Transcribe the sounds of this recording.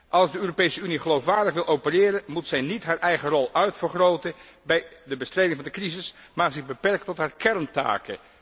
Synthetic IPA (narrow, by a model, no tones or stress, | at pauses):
ʔɑlˠzdəøːropejsəyniχəlowfʋaːɹdəχʋɪlˠʔowpərɪːɾəmutsɛjnitɦaːɹʔɛjχərɔlˠœɥtfəɹχrowtəbɛjdəbəstrejdɪŋvɑndəkrizɪsmaːɹzɪχbəpɛɹkətɔtɦaːɹkɛɹnta̰ːkə̰